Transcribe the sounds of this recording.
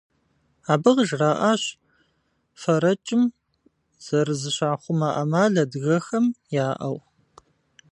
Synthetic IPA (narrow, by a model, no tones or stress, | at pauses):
aːbɨʁʒraːʔaːɕ | fɐɾɐt͡ʃʼɪm | z̥ɐrɨzɨɕaːχʷʊmaʔɐ̰maːɮɐdɣɐxɐmjaːʔɐw